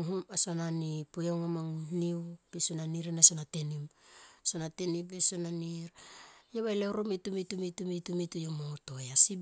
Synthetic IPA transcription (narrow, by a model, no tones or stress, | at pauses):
ŋɦumasonanipojaŋamaŋniwb̥esonaniɾenasonatenimsonatenibesonaniɾjeβajlewɾomitumitumitumitumitujomotojasi